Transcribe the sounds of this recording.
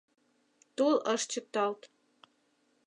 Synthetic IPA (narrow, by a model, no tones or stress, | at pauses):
t̪ulˠəʃt͡ɕə̆k̚t̪ɑlt̪